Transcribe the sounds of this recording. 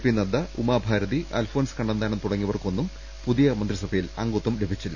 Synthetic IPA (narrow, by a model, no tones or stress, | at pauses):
pinːɐd̪ɐumaːbʱaːɾɐðiʔa̰ːlfoːnskɐɳɖɐnd̪aːɳɐmt̪uɽɐŋːiʋɐrkuonːum | puðijɐmɐnd̪risɐbʱɐjilɐ̰ŋɡot̪ːumlebʱit͡ɕːilːɐ